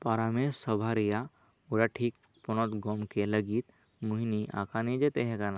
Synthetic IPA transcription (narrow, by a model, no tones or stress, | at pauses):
paɾamessəbʱaɾija | uɽaʈʰik̚ | pɔnɔt̪ɡɔmkeləɡit̪ | muɦiniʔa̰kʰanid͡ʒet̪eɦekana